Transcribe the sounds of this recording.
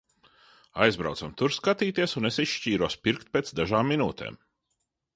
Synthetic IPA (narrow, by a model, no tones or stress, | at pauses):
ajzbɾa̰wt̪samt̪uɾskat̪iːt̪iɛsunesisʃciːɾuɔspiɾkt̪̚peːt̪sd̪aʒaːmːinṵːt̪ʰḛːm